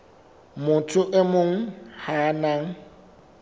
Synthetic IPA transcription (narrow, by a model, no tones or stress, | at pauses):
mʊtʰʼʊʔemʊŋ̩hanaŋ̩